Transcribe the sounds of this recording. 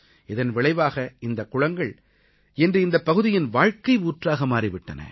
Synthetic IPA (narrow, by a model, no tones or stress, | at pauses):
ɪðɐnʋɪɭɐɪʋaːɣɐɪnd̪ɐkːʊɻɐŋɡɐɭ | ɛndrɯɪnd̪ɐpːɐɣɯðɪjɪnʋaːɻkɐɪuːʈraːɣɐmaːɾɪʋɪʈːɐnɐ̰